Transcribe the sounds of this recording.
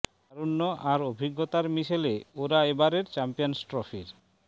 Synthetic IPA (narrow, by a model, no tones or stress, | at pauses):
aɾunːoʔaɾobʱiɡːot̪aɾmiʃeleoɾaebaɾeɾt͡ɕɛmpijonsʈɾofiɾ